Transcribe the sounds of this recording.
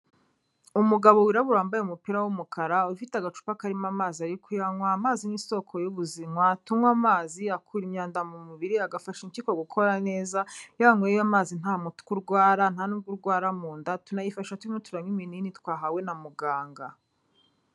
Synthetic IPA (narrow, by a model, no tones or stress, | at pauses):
umuɡaβo̞wiɾaβuɾaːmbajeumupiɾawumukʰaɾaufitaɡat͡ʃu̥pakaɾimamaːziaɾikujaŋwaːmaːziniso̞kʰo̞juβuzimwatumwamaːziakʰuːɾimɲaːndamumuβiɾiaɡafaʃiɲcikoɡukʰo̞ɾane̞ːzajaŋwejamaːzin̥amutu̥kuɾɡwaːɾan̥hanuːɡuɾɡwaːɾamuːndatunajifaʃʃatuɾimotuɾamimininitwaːɦawe̞namuɡaːŋɡa